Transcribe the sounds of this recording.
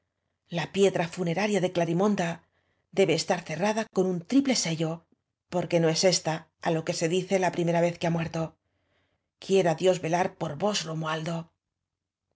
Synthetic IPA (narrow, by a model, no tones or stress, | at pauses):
lapje̞ðɾafune̞ɾaɾjaðe̞klaɾimõ̞nd̪a | ðe̞βe̞ːst̪aɾθe̞raðako̞nunt̪ɾiple̞se̞ʝo̞ | po̞ɾke̞no̞e̞se̞st̪a | alo̞ke̞se̞ðiθe̞lapɾimeɾaβe̞θkeamwe̞ɾt̪o̞ | kje̞ɾaðjo̞zβe̞laɾpo̞ɾβo̞zro̞moald̪o̞